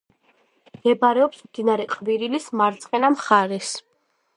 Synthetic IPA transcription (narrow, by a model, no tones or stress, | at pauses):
mɛbɾɛɔpsmd̪inaɾɛqʼviɾilismaɾt̪sʼqʼɛnamχaɾɛs